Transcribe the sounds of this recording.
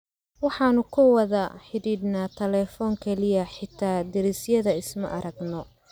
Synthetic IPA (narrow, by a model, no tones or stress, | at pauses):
wɑħɑːnʊkʰʊwɐðɐħɪðiːd̪naːt̪ʰɐlɛːfɔːŋkʰɛlɪjɐħɪt̪ʰaːd̪ɪɾisjɐðɐɪsmɐ̰ʔɐɾɐɡnɔ